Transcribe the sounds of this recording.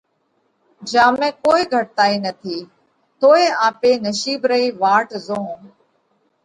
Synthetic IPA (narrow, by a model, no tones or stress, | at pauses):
d͡ʒaːmẽːkoːiɡʱəʈ̚t̪aːiːnət̪ʰiː | t̪oːeaːpeːnəʃiːbɾəiːʋaːʈzõː